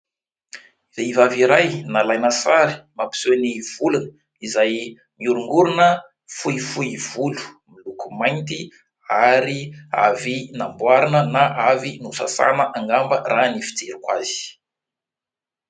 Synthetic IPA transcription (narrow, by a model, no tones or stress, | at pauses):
veivaviɾajnalajnəsaɾi̥mapi̥seniv̥ulunə | izaj | miuɾuŋɡuɾunə | fuifuiv̥ulu̥milukumajnt̪i | aɾia̰vinambwaɾanənaʔavinusa̰sa̰nəʔaŋɡambəranifi̥d͡zeɾikwa̰z̥i̥